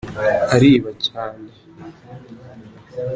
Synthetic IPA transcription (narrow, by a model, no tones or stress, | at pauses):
haɾiːβacaːne